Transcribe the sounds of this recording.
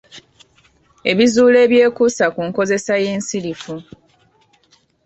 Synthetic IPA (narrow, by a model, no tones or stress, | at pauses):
e̞βizuːle̞ːβje̞ːkusakuːŋko̞ze̞saje̞ːnsilifu